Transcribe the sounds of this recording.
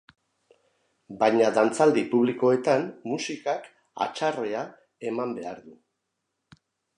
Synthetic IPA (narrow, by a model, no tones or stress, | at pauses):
bajɲaðant͡sald̪ipuβ̞liko̞e̞t̪amːusikak | a̰t͡ʃare̞a | e̞mambe̞aɾðu